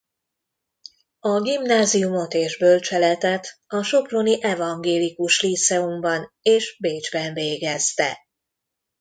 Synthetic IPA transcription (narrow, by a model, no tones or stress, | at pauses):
ɒɡimnaːzijumo̞t̪eːʒbø̞lt͡ʃɛlɛt̪ɛt̪ɒʃo̞ploniʔɛvɒŋɡeːlikuʃlit̪sɛumbɒneːʒbeːd͡ʒbɛɱveːɡɛst̪ɛ̰